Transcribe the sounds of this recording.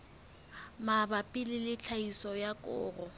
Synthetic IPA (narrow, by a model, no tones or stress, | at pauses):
mabapʼɪlɪlɪt͡ɬʰaisɔjakʼʊ̰ːrɔ